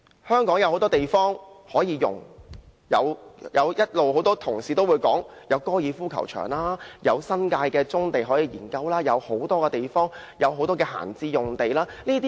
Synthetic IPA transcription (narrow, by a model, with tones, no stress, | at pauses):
hœː˥ŋkɔː˨˥ŋjɐ˨˧who˨˥wt̪ɔː˥t̪e˨jfɔː˥ŋhɔː˨˥jiː˧jʊ̰˨˩ŋ | jɐ̰˨˧wjɐ˨˧wjɐ˥t̚lo˨who˨˥wt̪ɔː˥t̪ʰʊ˨˩ŋsiː˨t̪o˥wuː˨˧jkɔː˨˥ŋjɐ˨˧wkɔː˥jiː˨˧fuː˥kʰɐ˨˩wt͡ʃʰœ̰ː˨˩ŋlaː˥jɐ̰˨˧wsɐ˥nkaː˧jkɛː˧t͡sʊ˥ŋt̪e˨jɦɔː˨˥jiː˧jiː˨˩nkɐ˧wlaː˥jɐ˨˧who˨˥wt̪ɔː˥kɛː˧t̪e˨jfɔː˥ŋ | jɐ˨˧wɦo˨˥wt̪ɔː˥kɛː˧ha̰ː˨˩nt͡siː˧jʊ˨ŋt̪e˨jlaː˥niː˥t̪̬iː˥